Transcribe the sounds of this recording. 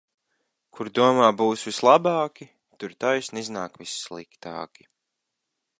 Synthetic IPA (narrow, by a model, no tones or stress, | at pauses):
kʰuɾd̪uɔmaːbuːsvislˠabɑːkʲi | t̪uɾt̪ajsniznaːkvisːlˠikt̪a̰ːkʲi̥